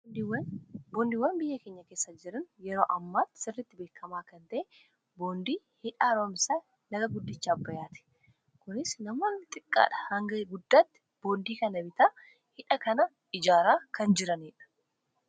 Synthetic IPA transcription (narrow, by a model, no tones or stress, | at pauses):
wɐboːnd̪iːwɐnbɪjːɐke̞ːɲːɐkeːsːɐd͡ʒɪɾɐnjɛɾoːʔɐmːaːt̪ːsɪrːɪt̪ːɪbe̞ːkʰːɐmaːkɐnt̪ɐʔeː | boːnd̪iː | hɪᶑaːɾoːmsaː | nɐɡɐɡʊd̪ːɪt͡ʃːaːbːɐjaːt̪ɛ̥ | kʊnɪsnɐmoːnːɪt̪ʼɪkʼːa̰ːᶑɐ̥hɐŋɡɐɡʊd̪ːaːt̪ːɪ̥ | b̥o̞ːnd̪iːkɐnɐbɪt̪aː | hɪᶑɐkɐnɐ | ɪd͡ʒaːɾaːkɐnd͡ʒɪɾɐneːᶑɐ̥